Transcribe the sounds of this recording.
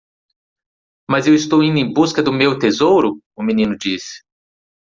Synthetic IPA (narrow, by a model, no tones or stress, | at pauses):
mɐzewɪst̪owĩnd̪ʊẽj̃buskɐd̪ʊmewt̪ezowɾʊ | ʊminĩnʊd͡ʒisɪ̥